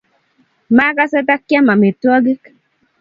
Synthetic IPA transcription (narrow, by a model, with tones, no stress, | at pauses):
ma˦ka˦sɛ˦ta˦kja˦ma˨me˨twɔ˦ɡɪ˦k